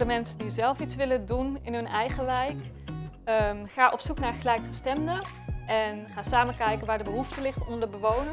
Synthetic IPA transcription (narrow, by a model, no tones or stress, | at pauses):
dəmɛnsədizɛlˠfitsʋɪləndunɪnɦɵnɛjχəʋɛjk | əχaːʔɔpsuknaːɹχəlɛjkfəstɛmdə | ʔɛnχaːsaːmənkɛjkənʋaːɹdəbəɦuftəlɪχtɔndəɹdəbəʋownə